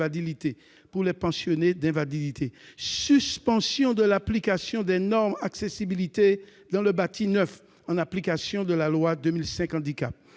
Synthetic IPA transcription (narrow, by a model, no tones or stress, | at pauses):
alilit̪e | puʁlɛpɑ̃sjɔned̪ɛ̃valid̪it̪ʰesyspɑ̃sjɔ̃d̪əlaplikasjɔ̃d̪ɛnɔʁmaksesibilit̪ed̪ɑ̃ləbat̪ʰinœf | ɑ̃naplikasjɔ̃d̪əlalwad̪ømilsɛ̃kɑ̃d̪ikap